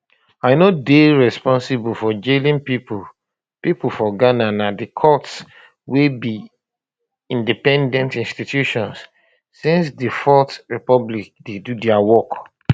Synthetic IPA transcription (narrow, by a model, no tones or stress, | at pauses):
aɪnodeɹɛspɔ̃nsibufɔd͡ʒelĩnpipu | pipufɔɡananadikʰɔts | webi | ĩndipɛ̃ndɛ̃ntĩnstitjuʃɔ̃ns | sĩnsdifɔtɹipɔblik̚dedudɛawɔk